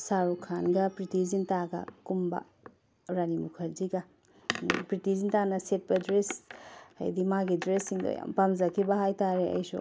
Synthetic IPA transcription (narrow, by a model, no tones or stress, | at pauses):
saɾukʰanɡɐpɾitizintaɡɐ̰kumbɐ̰ | ɾanimukʰɐɾziɡɐ | pɾitizintanɐset̚bɐdɾesa̰jdimaɡidɾesːiŋdɐ̰ja̰mpamzɐkʰibɐɦajtaɾeɐ̰jsṵ